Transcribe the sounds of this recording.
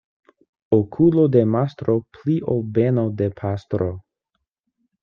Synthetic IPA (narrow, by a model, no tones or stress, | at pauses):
okʰulodemast̪ɾopliʔobenodepʰastɾo